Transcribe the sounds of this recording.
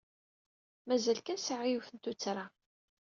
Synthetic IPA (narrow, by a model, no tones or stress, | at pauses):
mæzælkæsəʕijuθənt̪ut͡sːɾˤa